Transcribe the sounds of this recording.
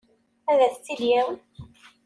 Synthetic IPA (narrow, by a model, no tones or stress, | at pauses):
æðæθt͡sːiljæw